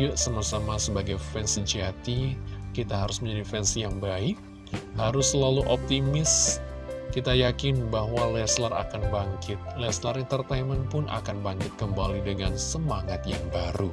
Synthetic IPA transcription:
ʊʔsamasamasəbaɡajfɛnsid͡ʒiat̪iːit̪aɦaɾʊsməɲd͡ʒadifɛnsijaŋbaɪk̚ | haɾʊsːəlaluʔɔp̚t̪imɪs | kit̪ajakɪnbaɦwalɛslara̰kanbaŋkʰɪt̪̚lɛslaɾɪŋt̪ərt̪aimənpʊnʔa̰kanbaŋkɪt̪̚kəmbalidəŋansəmaŋat̪jaŋbaɾu

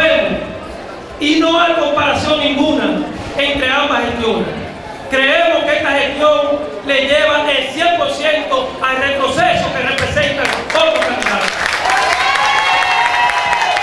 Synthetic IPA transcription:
emos | inoajko̞mpaɾasjo̞ŋĩŋɡũna | e̞nt̪ɾe̞ambasest̪jo̞nḛs | kɾe̞emoskeest̪ahe̞st̪jõ̞ŋ | le̞ʝeβaʔelsjempo̞ɾsje̞nt̪o̞alre̞t̪ɾo̞sesoke̞repɾesent̪aŋfoɾt̪osmenɾalo

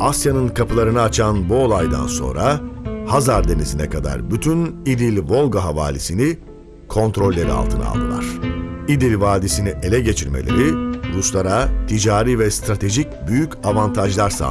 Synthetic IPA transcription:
asjanɯnkʰapʰɯlˠaɾɯnaːt͡ʃʰanbuo̞lˠajd̪a̰nso̞̰nɾahazaɾd̪e̞nizinɛkʰad̪a̰ɾbyt̪ʰynid̪ilʲvo̞lˠɡaɦava̰ːlʲisini | kʰo̞nt̪ɾo̞lʲːɛd̪ɛ̰a̰lˠt̪ʰɯna̰lˠd̪ɯ̰lˠa̰ɾ̥id̪ilʲvaːd̪isiniʔe̞lʲɛɟe̞t͡ʃʰiɾmelʲe̞̰ɾiɾuslˠaɾat̪ʰid͡ʒaːɾivɛst̪ɾat̪ʰe̞ʒicbyjycavant̪ʰaʒlˠaɾsa̰ː

